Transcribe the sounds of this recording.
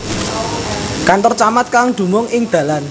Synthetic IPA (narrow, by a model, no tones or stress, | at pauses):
kant̪ɔrt͡ʃamat̪̚kaŋd̪̥ṳmʊŋɪŋd̪̥ä̤lan